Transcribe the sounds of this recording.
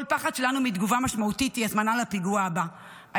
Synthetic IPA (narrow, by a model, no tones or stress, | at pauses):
lpaχad̪ʃelanumid̪ɡuvamaʃmaut̪it̪jiazmanalapiɡuaaba | ʔa